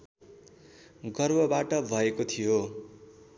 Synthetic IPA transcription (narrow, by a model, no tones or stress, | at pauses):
ɡʌrbʱʌbaʈʌbʱʌekot̪ʰijo